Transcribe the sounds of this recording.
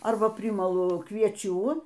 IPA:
ˈɐrbɐ ˈpʲrʲɪmɐlˠʊ kʋʲiɛˈt͡ʃʲuː

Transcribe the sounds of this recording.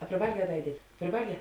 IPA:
ɐ pʲrʲɪˈʋɐlʲˌɡʲɛː ɐ ˈdɐ ɪˈdʲiɛt pʲrʲɪˈʋɐlʲˌɡʲɛː

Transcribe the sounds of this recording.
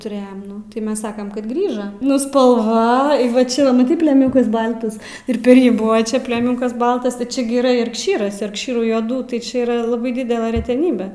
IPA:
tʊˈrʲeːjɛm ˈnʊ tɐɪ ˈmʲɛs ˈsɑːkɐm kɐt ˈɡrʲiːʒɐ ˈnʊ spɐlˠˈʋɐ ɪ ʋɐ ˈt͡ʃʲɛ mɐˈtɐɪ pʲlʲɛˈmʲʊkɐs ˈbɐlˠtɐs ɪr pʲɛr ˈjiː ˈbʊʋɐ ˈt͡ʃʲɛ pʲlʲɛˈmʲʊkɐs ˈbɐlˠtɐs ɪr ˈt͡ʃʲɛ ɡʲɪ iːˈrɐ jɛrkˈʃʲiːrɐs jɛrkˈʃʲiːruː juɔˈduː tɐɪ ˈt͡ʃʲɛ iːˈrɐ lˠɐˈbɐɪ ˈdʲɪdʲɛlˠɐ rʲɛtʲɛˈnʲiːbʲɛ

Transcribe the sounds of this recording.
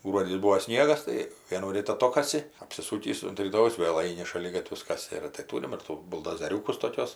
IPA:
ˈɡruɔdʲiː ˈbuːoː ˈsʲnʲiɛɡɐs ˈtɐɪ ʋʲiɛnuːˈrʲiːt ɐˈtoːkɐsʲɪ ɐpʲsʲɪˈsuːkʲiːs ʊnt rʲiːˈtoːjɛʊs ˈʋʲeːlˠ ˈɐɪnʲɪ ʃɐˈlʲɪɡɐtʲʋʲʊs ˈkɑːsʲɪ ɪr tɐɪ ˈtuːrʲɪm ɪr ˈtuː bʊlˠdoːzʲɛˈrʲuːkʊs toːˈkʲuɔs

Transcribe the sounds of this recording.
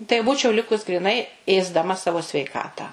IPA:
tɐɪ ˈbuːt͡ʃʲɛʊ ˈlʲɪkʊs ɡrʲɪˈnɐɪ eːzdɐˈmɐ ˈsɑːʋoː sʲʋʲɛɪˈkɑːtɑː

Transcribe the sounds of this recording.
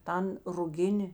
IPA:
ˈtɐn rʊˈɡʲɪnʲɪ

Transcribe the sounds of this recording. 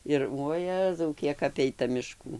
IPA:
ˈɪr uɔˈjæːzɐʊ ˈkʲiɛk ˈɑːpʲɛɪtɐ mʲɪˈʃkuː

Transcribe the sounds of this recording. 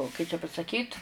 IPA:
kɐɪ t͡ʃʲɛ pɐsɐˈkʲiːt

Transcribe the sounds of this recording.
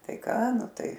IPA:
ˈtɐɪ ˈkɑː ˈnʊ ˈtɐɪ

